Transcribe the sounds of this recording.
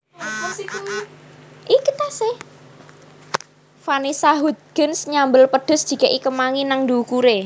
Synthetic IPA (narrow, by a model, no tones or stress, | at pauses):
ʔikit̪asɪh | fanisaɦud̪̚ɡ̥ənsɲambəlpəɖ̪̥ʊ̤sd̥ʒ̥i̤kɛʔikəmaŋinaŋd̪iukuɾe